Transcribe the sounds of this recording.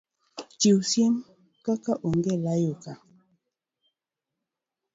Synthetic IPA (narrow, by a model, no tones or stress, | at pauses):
t͡ʃiwsjem | kakaʔoŋɡelajoka